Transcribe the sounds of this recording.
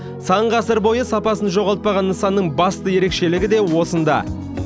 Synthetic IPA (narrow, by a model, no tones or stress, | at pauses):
sɑɴʁɑsəɾbo̞jəsɑpɑsənʒo̞ʁɑlˠt̪̚pɑʁɑnːəsɑnːəɴbɑst̪əje̞ɾe̞kʃe̞lɪɡʲɪd̪e̞wo̞sənd̪ɑ̰